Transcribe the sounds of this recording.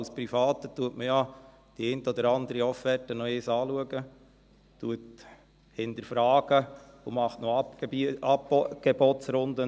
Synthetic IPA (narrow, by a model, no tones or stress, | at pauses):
ɑlspɾifɑːt̪ətuətməja | d̥iɛɪntəɔd̪əɾɑnd̪əɾiɔfɛtənɔɪːsɑːluəɡə | tuət | hɪntəɾfɾɑːɡ̥ə | umɑχtnɔɑ | ɡ̥ɛbɔtsɾʊnd̪ə